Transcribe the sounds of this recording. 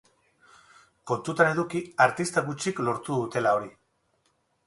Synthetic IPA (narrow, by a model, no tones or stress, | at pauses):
ko̞nt̪ut̪ane̞ðukiaɾt̪ist̪aɣut͡ʃiklo̞ɾt̪uðut̪e̞lao̞ɾi